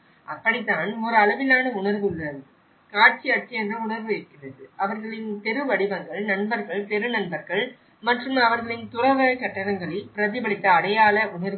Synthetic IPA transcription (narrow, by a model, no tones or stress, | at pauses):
ʔɐpːɐɽɪt̪ːaːnɔɾɯɐlɐʋɪlaːnɐʊɳɐɾʋɯɭːɐðɯ | kaːʈ̚t͡ʃiɐʈ̚t͡ʃiɛndrɐʊɳɐɾʋɯɛkːɪrɐðɯʔɐʋɐɾɣɐɭɪnp̪ɛɾɯʋɐɽɪbɐŋɡɐɭnɐnbɐɾɣɐɭt̪ɛɾɯnɐnbɐɾɣɐɭ | mɐʈrɯmɐʋɐɾɣɐɭɪnt̪ʊrɐʋɐkɐʈːɐɳɐŋɡɐɭɪlpɪɾɐðɪbɐɭɪt̪ːɐːɽɐjaːlɐʊɳɐɾɯ